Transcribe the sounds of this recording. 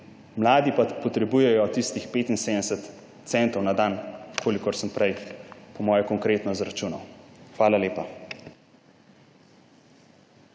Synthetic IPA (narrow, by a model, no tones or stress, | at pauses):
mlaːd̪ipapɔt̪ɾɛbujɛjɔt̪ist̪ixpeːt̪inseːd̪ɛsət̪ | t̪sɛnt̪ɔwnad̪aːnkʰoːlikɔɾsəmpɾɛjpɔmɔːjɛkɔŋkɾeːt̪nɔzɾat͡ʃuːnawxʋaːlaleːpa